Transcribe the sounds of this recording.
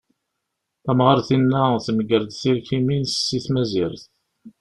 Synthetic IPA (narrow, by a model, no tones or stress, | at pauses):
θæmʁəɾθinːæθəməɡəɾd̪θiɾkiminsə̥sːiθmæziɾθ